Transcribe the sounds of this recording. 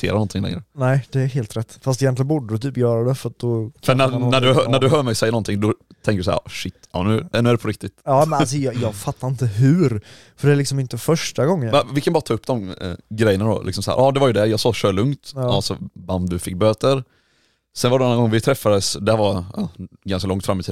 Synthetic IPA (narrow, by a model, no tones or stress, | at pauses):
t̪ʰḛːɾanɔnt̪ʰɪŋlɛ̰ŋɾə̰nɛɪd̪̥ɛæɦeːlt̪ɾɛt̪ːfast̪ɪjɛnlɪənbuːɖəd̪ət̪ʰyːpjœːɾad̪ɛfœɾat̪̚d̪ɔkʰfœnænæɖɵɦœnæɖɵɦœːmɛjsɛjːanɔnt̪ʰɪŋd̪ɔ | t̪ʰɛ̃ŋkɾd̪ɵsæ̰ʂɪt̪ːɑ̰nʉ̟ːnʉæɖɛpʰɔɾɪk̚t̪ɪt̪jɑːmɛnas̬ɔjɑjɑːɡfat̪ʰːaɾɪnt̪əɦʉ̟ɾ | fœɖɛælɪksɔmɪnt̪əfœʂʈaɡɔŋːənɛvɪlkʰanbɑːɾat̪ʰɑːɵpːd̪ɔmɡɾɛjːənad̪ɔ̰lɪ̰ksɔmsahæ̰ːɾʔɑːd̪ɛvaɾjʉd̪ɛjɑːɡsɑːɕøːɭɵŋt̪ɑsɔ̰band̪ɵfɪkːbøːt̪əɾ | sɛnvaɖɛnanːanɡɔŋːvɪt̪ʰɾɛfːad̪əsd̪ɛævaɑ̰ːɡanskalɔŋt̪fɾamɪt̪ʰiːd̪